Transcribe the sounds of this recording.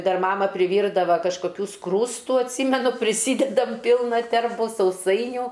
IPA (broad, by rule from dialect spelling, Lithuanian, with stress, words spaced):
ˈdɐr ˈmɑːmɐ pʲrʲɪˈʋʲiːrdɐʋɐ kɐʃkoːˈkʲuː ˈskruːstʊ ɐtʲˈsʲiːmʲɛnʊ pʲrʲɪˈsʲiːdʲɛdɐm ˈpʲiːlˠnɐ ˈtʲɛrbʊ sɐʊˈsɐɪnʲuː